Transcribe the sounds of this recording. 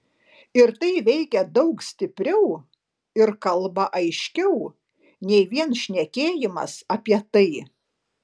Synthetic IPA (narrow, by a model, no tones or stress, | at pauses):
ɪɾt̪ɐɪʋʲɛɪkʲɛd̪ɐʊksʲt̪ʲɪpʲɾʲɛʊ | ɪɾkɐlˠbɐʔɐɪʃʲkʲɛʊ | nʲɛɪʋʲiɛnʃʲnʲɛkʲeːjɪmɐ̰sɐpʲiɛt̪ɐɪ